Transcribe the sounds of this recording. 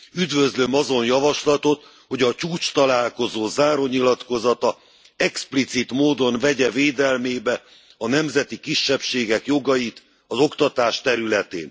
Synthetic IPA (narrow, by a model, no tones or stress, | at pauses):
yd̪vø̞zlø̞mɒzo̞njɒvɒʃlɒt̪o̞t̪ | ho̞ɟɒt͡ʃuːt͡ʃt̪ɒlaːlko̞zoːzaːɾo̞ɲilɒt̪ko̞zɒt̪ɒ | ɛksplit̪sit̪moːd̪o̞nvɛɟɛveːd̪ɛlmeːbɛ | ɒnɛmzɛt̪ikiʃːɛpʃeːɡɛkjo̞ɡɒjit̪ | ɒzo̞kt̪ɒt̪aːʃt̪ɛɾylɛt̪ḛːn